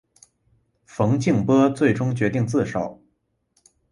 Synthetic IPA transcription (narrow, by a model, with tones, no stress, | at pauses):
fɤ˧˥ŋt͡ɕi˥˩ŋpɤ˥t͡swe˥˩ɪʈ͡ʂʊ˥ŋt͡ɕɥɛ˧˥t̪i˥˧ŋt͡sɹ̩˥˩ʂɑ˨˩˦ʊ